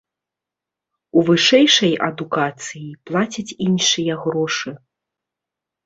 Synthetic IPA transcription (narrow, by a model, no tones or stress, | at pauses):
uvɨʂɛjʂɐjɐ̰d̪ukat̪sɨjiplˠat͡sʲɐt͡sʲinʂɨjɐɣɾɔʂɨ